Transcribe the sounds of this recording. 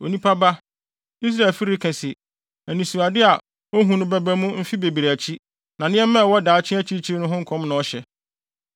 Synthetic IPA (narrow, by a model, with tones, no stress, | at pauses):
o˨nĩ˦pʰa˦ba˦ | i˦s̬ɾa˦˨e˨lfi˦ɾi˦kʰɛ̃˨sɪ˨ | æ˨nĩ˨su˨a˨dɪ˦a˨ | o˦ɦũ˦nʊ̃˦bæ˦bæ˦mũ˦m̩˦fi˦be˨bi˨ɾæ˨t͡ɕʰi˦ | nã˨nɪ̃˦ɛ˦mɛ̃˦˨wɔ˦daː˨˦t͡ɕʰɪ̃˦æ˦t͡ɕʰi˦t͡ɕʰi˦ɾnʊ̃˦ɦʊ̃˦ŋ̩˦kʰɔ̃˦mnʊ̃˨ɔ˦ɕɛ˨